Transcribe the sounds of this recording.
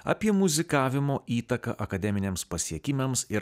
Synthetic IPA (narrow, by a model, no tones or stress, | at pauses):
ɐ̰ːpʲiɛmʊzʲɪkɑːʋʲɪmoːiːt̪ɐkɐ̰ʔɐkɐd̪ʲɛmʲɪnʲeːmspɐsʲiɛkʲɪmʲɛmsɪɾ